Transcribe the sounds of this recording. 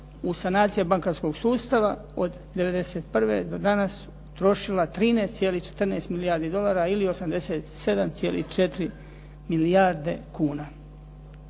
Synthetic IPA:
usanaːt̪sijabaŋkaɾsko̞ɡsuːst̪aʋa | od̪ | d̪e̞ʋe̞d̪e̞seːt̪̚pr̩ʋḛd̪o̞d̪anas | t̪ɾo̞ʃilat̪ɾiːnest̪sjeliht͡ʃe̥t̪r̩neːst̪milijaɾd̪id̪o̞lˠaːɾailio̞samd̪e̞seːt̪se̞d̪amt̪sijeːlḭht͡ʃe̞t̪ɾi | milijaɾd̪e̞kuːna

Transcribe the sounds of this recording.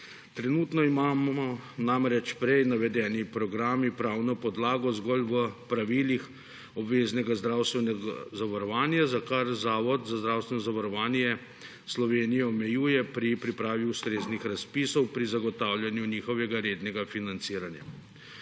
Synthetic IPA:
t̪ɾɛnuːt̪nɔimaːmɔnamɾɛt͡ʃpɾɛjnaʋɛd̪ɛːnipɾɔɡɾaːmipɾaːwnɔpɔd̪laːɡɔzɡɔlʋəpɾaʋiːlix | ɔbʋeːznɛɡazd̪ɾaːwst̪ʋɛnɛɡa̰zaʋaɾɔʋaːnjazakaɾzaːʋɔt̪zazd̪ɾawst̪ʋɛnɔzaʋaɾɔʋaːnjɛ | slɔʋeːnijɛɔmɛjuːjɛpɾipɾipɾaːʋiust̪ɾeːznixɾaspisɔwpɾizaɡɔt̪aːwljanjuniːxɔʋɛɡaɾeːd̪nɛɡafinant̪siːɾanja̰

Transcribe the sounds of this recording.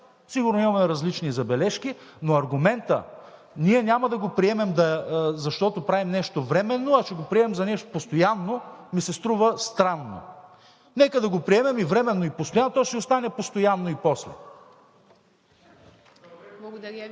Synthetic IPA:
siɡʊɾnoimɐmɛɾɐzlit͡ʃnizɐbɛlɛʃkinoɐɾɡʊmɛnt̪ə̰ | niɛnʲamɐd̪ɐɡopɾiɛmɛmd̪ɐzɐʃt̪ɔt̪opɾavimnɛʃt̪ovɾɛmɛnːoɐt͡ʃɛɡopɾiɛmɛmzɐnɛʃt̪o̥post̪ojanːomisɛst̪ɾuvəst̪ɾanːo̰ | nɛkəd̪ɐɡopɾiɛmɛmivɾɛmɛnːoipost̪ojanːt̪ɔsɛost̪anɛpost̪ojanːoipɔslɛ

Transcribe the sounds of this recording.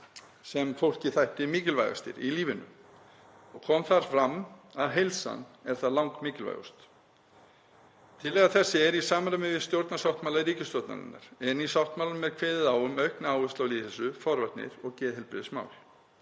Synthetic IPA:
sɛmfowl̥cɪθajht̪ɪmiːcɪlva̰jɣa̰st̪ɪ̰ɾiliːvɪnʏ̰ | ɔɣkʰɔmθaɾ̥fɾamːaðɦejlsa̰nɛɾ̥θaðlawŋkmiːcɪlva̰jɣṵst̪ | t̪ʰɪlɛːɣaθɛsːɪɛɾisaːmanʏmɪvɪst̪jowɾt̪nasawht̪maːlaðɾiːcɪst̪ɔwt̪na̰ðɪ̰nːa̰ɾ̥ɛnisawht̪maːlaʏmːɛðkʰvɛːðɪðaːwʏmœɥhknaaːwvʏst̪lawliθɛsʏfɔɾvat̪nɪ̰ɾɔɣcɛːðɦɛlpɾɪ̰ðsma̰ːwl

